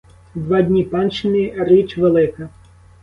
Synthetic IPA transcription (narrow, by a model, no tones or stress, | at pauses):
d̪ʋɑdʲnʲipɑnt͡ʃɪnʲirɪt͡ʃʋelˠɪkɐ